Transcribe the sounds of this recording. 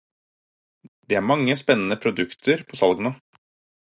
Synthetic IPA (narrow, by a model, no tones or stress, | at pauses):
d̪̥eːæːɾmɑŋːəspɛnːənəpʰɾʊd̪ʉkt̪ʰəɾpʰoːsɑlɡno